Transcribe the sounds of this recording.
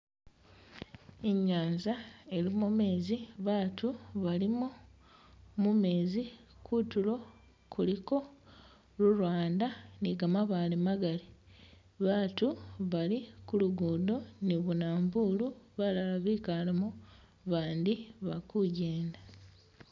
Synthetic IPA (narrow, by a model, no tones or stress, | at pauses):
eɲːaːnzae̞limume̞ːziβaːtuβalimu | mume̞ːzi | kutulo̞ | kʰuliko̞ | luɾwaːndaniɡamaβaːlemaɡali | βaːtuβalikuluɡuːdo̞niβunaːmbuːluβalalaβiːkalamu | βaːndiβakuɟe̞ːnda